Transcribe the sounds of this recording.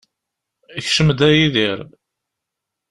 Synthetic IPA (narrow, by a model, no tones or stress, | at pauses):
əçʃəmd̪æjiðiɾ